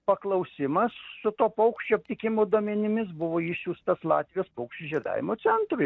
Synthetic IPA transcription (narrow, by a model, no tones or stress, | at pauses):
pɐklˠɐʊsʲɪmɐssʊt̪oːpɐʊkʃʲt͡ʃʲoːɐp̚ʲt̪ʲɪkʲɪmoːd̪oɔmʲɛnʲɪmʲɪsbʊʋoːɪʃʲsʲuːst̪ɐslˠɑ̰ːt̪ʲʋʲijoːspɔʊkʃʲt͡ʃʲuʒʲiɛd̪ɑ̰ːʋʲɪmoːt͡ssʲɛnt̪ɾʊ